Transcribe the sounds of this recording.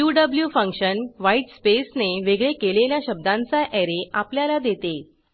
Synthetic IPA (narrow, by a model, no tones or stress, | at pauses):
juɖəbljufə̃ŋkɕənʋaiʈspesneʋeɡɭekeleljaɕəb̚d̪ãnt͡saʔɛɾeapljalad̪et̪e